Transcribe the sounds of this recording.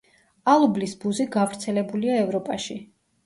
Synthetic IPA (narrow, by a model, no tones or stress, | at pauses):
alˠublisbuziɡavɾt̪sʰɛlɛbuliaɛvɾɔpʼaʃi